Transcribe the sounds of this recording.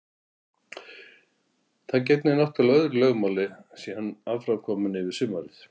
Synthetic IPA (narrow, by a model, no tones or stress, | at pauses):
θaðcɛjt̪nɪnaht̪alœðɾlœːɣmawlɪsihanːavfɾamkʰɔːmʏnɪvɪɾ̥sʏmaɾɪθ